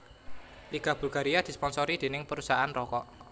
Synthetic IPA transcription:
liɡ̥a̤b̥ulɡaɾiad̪̥i̤spɔnsɔɾid̥̪e̤nɪŋpəɾusaanrɔkɔʔ

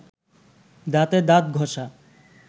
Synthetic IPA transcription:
d̪at̪ed̪at̪̚ɡʱɔʃa

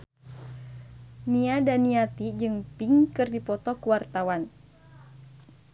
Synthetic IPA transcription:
niadaniat̪id͡ʒɨŋpiŋkɨrdipɔt̪ɔkuwart̪awan

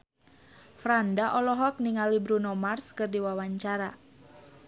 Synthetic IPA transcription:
fɾandaʔɔlɔɦɔk̚niŋalibɾunɔmarskɨrdiwawaɲt͡ʃaɾa

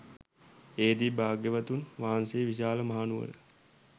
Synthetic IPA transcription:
eːd̪ibaːɡjeʋat̪unʋaːanseːʋiɕaːləmaɦanuʋə̰nə

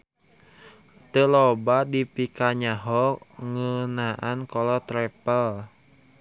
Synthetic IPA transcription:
t̪əlɔbadipikaɲaɦɔŋənaʔankɔlɔt̪ɾɛpəl

